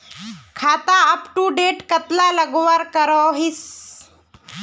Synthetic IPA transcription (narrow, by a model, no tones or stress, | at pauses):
kʰat̪aəpʈuɖeʈkət̪laləɡʋaɾkəɾɔɦis